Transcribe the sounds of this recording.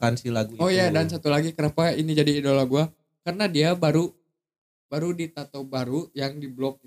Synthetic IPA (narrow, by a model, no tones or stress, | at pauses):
kansilaɡuɔjadansat̪ulaɡikənapainid͡ʒadiːdolaɡua | kaɾənadiabaɾu | baɾudit̪at̪obaɾujaŋdiblɔk̚